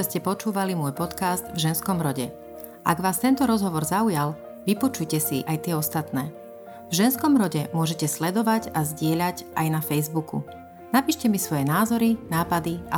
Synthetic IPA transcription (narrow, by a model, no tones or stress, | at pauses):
ɛscɛpɔt͡ʃuːʋalimʊɔjpɔt̪kazd̪vʒɛnskɔmɾɔɟɛ | ʔa̰ɡʋaːst̪ɛnt̪ɔɾɔzɦɔʋɔɾzaujal | ʋipɔt͡ʃujcɛsiʔajt̪ɪɛɔst̪at̪nɛː | vʒɛnskɔmɾɔɟɛmʊɔʒɛcɛslɛd̪ɔʋaɟazɟɪɛʎaɟʔajnafɛjzbukṵ | napiːʃcɛmisʋɔjɛnaːzɔɾinaːpad̪ia